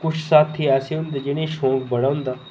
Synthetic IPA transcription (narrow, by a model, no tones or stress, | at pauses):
kʊt͡ʃʰsaːt̪ʰːiɛːseːɦʊ̃nd̪aːd͡ʒɪɽ̃ẽːʃõːŋkbəɽaːʊ̃nd̪aː